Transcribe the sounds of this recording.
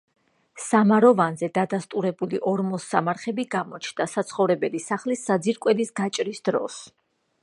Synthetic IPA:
samaɾɔvanzɛd̪ad̪ast̪ʼuɾɛbuliʔɔɾmɔsːamaɾχɛbiɡamɔt͡ʃʰnd̪asat̪sʰχɔvɾɛbɛlisaχlisːad̪ziɾkʼwɛd̪isɡat͡ʃʼɾisd̪̥ɾɔ̰s

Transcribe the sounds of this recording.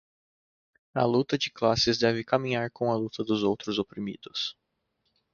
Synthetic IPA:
ɐ̰lut̪ɐd͡ʒɪklasɪzd̪ɛvɪkamĩɲaɾkõɐlut̪ɐd̪ʊzowt̪ɾʊzopɾimḭd̪ʊs

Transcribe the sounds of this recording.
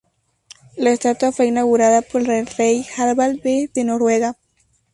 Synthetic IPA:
laest̪at̪wafweinaɣuɾaðapoɾelerejxaðβald̪eðeno̞ɾwe̞ɣa

